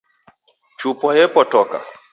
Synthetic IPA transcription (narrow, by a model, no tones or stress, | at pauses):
t͡ʃupɔjɛpɔtɔka̰